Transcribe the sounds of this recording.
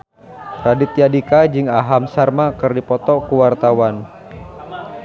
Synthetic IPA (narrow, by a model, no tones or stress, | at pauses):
ɾadɪt̪̚jadikad͡ʒɨŋaɦamsarmakɨrdipɔt̪ɔkuwart̪awan